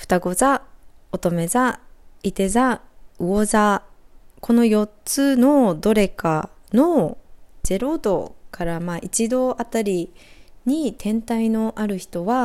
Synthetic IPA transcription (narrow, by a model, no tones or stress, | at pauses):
ɸɯ̥t̪aɡo̞zaot̪o̞me̞zait̪e̞zaɯ̟oza | ko̞no̞jo̞tt͡sɨno̞d̪o̞ɾe̞kano̞ | z̥e̞ɾo̞d̪o̞̰kaɾamaʔit͡ɕid̪o̞ʔat̪aɾʲiɲ̟it̪ʰẽ̞nt̪aino̞ʔaɾɯ̟çi̥t̪o̞βa